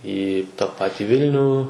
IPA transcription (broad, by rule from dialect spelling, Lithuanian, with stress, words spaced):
iː tɐ ˈpɑːtʲɪ ˈʋʲɪlʲnʲuː